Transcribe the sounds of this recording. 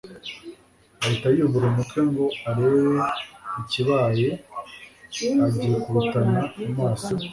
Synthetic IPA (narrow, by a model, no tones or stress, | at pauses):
aitaijoβuɾomukʰe̞ŋɡo̞aɾiweiciβaːje | aɟijekuβutaɲaːmaːsi